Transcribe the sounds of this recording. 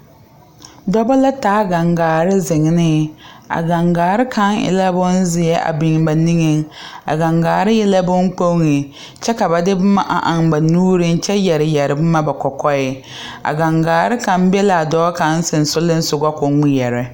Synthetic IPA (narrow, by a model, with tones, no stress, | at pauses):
dɔ˦ba˦la˦taː˨˦ɡa˨ŋɡaː˨ɾɪ˦zɪ˨ŋ˨nɪ˦a̰˨ɡa˨ŋɡaː˨ɾɪ˦kʰa˦ŋɪ̰˦˨la˦bʊ˦n˦zɪ˨ɛ˦ʔa̰˨bɪ˨ŋba˨ni˦ŋɪ˦ŋa̰˨ɡa˨ŋɡaː˨ɾɪ˦jɛ˦la˦bʊ˦ŋ˦k͡po˦ŋɪ˨ | t͡ʃɛ˦ka˨ba˨dɪ˦bʊ˦ma˦ʔa̰˨ʔa˨ŋba˨nuː˦ɾɪ˦nt͡ʃɛ˦jɛ˨ɾɪ˨jɛ˨ɾɪ˨bʊ˦ma˦ba˨kɔ˨kɔ˦ɪ˨ | a̰˨ɡa˨ŋɡaː˨ɾɪ˦ka˨˦m˦bɛ˦la˨dɔ˦ka˨˦n̩˦sɪ˨n˨sʊ˦lɪ˦n̩˦sʊ˨ɡɔ˦kʊ˨ŋi˦jɛ˨ɾɪ˨